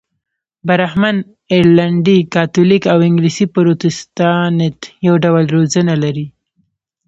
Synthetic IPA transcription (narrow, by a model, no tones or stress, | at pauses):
baɾahman | eɾlaɳɖikɑt̪olikawɪŋɡlisipaɾot̪ɪst̪ɑnet̪jawɖawəlɾozənalaɾi